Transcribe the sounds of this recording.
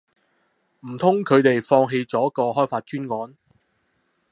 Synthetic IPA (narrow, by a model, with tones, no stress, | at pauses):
m̩˨˩t̪ʰʊ˥ŋkʰɵ˨˧t̪e˨jfɔː˧ŋɦe˧jt͡sɔː˨˥kɔː˧ɦɔː˥jfaː˧t̚t͡ʃyː˥nkɔː˨˥n